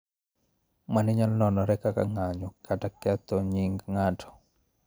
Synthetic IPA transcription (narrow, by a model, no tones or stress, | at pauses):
manɪɲalnɔnɔɾɛkaka̰ŋaɲɔkʰatakɛt̪ɔɲiŋɡŋatʰɔ̥